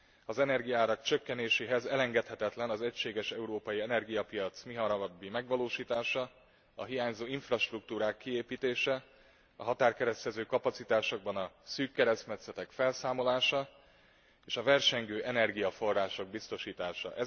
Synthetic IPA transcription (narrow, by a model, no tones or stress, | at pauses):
ɒzɛnɛrɡijɒaːɾɒkt͡ʃøkːɛneːʃeːɦɛzɛlɛŋɡɛt̪hɛt̪ɛt̪lɛnɒzɛcʃeːɡɛʃɛuɾoːpɒjiɛnɛrɡijɒpijɒt̪smiɦɒɾɒɒbːimɛɡʋɒloːʃiːt̪aːʃɒ | ɒ̰ɦijaːɲzoːiɱfrɒʃt̪rukt̪uːɾaːkːieːpiːt̪eːʃɛ | ɒ̰ɦɒt̪aːrkɛɾɛst̪ɛzøːkɒpɒt̪sit̪aːʃo̞ɡbɒnɒsyːkːɛɾɛsmɛt̪sɛt̪ɛkfɛlsaːmo̞laːʃɒ | eːʃɒvɛrʃɛŋɡøːʔɛnɛrɡijɒfo̞rːaːʃo̞ɡ̚bist̪o̞ʃiːt̪aːʃɒ̰ʔɛ